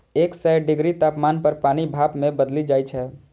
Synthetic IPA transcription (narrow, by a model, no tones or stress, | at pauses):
eksɛɖɪɡɾit̪apmanpəɾpanibʱapmebəd̪lid͡ʒajt͡ʃʰɛ